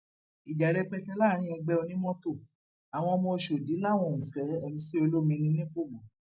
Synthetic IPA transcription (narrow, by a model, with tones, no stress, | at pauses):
i˨d͡ʒa˨ɾe˦k͡pɛ˧˦kɛ˧˦la˦˨ɾ̃ĩ˦ɔ̃˧ɡ͡bɛ˦o˧nĩ˦mɔ̃˦to˦˨ | a˨w̃ɔ̃˧mõ˧o˧ʃo˨di˨˦la˦˨w̃ɔ̃˧˨ũ˨fɛ˨˦ɛ˦˨mĩ˧si˦o˧lo˦mĩ˧nĩ˧˦nĩ˦ko˦˨mɔ̃˨